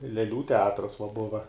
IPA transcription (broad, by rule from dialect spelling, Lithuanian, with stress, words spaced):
lʲɛˈlʲuː tʲɛˈɑːtrɐs ʋɐ ˈbʊʋɐ